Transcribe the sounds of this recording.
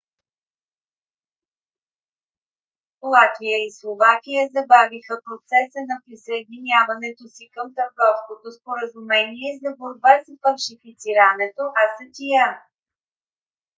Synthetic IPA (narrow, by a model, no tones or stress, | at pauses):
lˠat̪vijəislˠovakijəzɐbavixəpɾot̪sɛsənɐpɾisəɛd̪inʲavɐnɛt̪osikəmt̪əɾɡɔfskot̪ospoɾəzumɛniɛzɐboɾbasfɐlʃifit̪siɾənɛt̪oʔɐsət̪ʲia